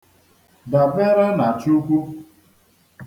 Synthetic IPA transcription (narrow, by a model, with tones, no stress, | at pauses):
da˨be˦ɾa˦na˨t͡ʃu˦kʷu˦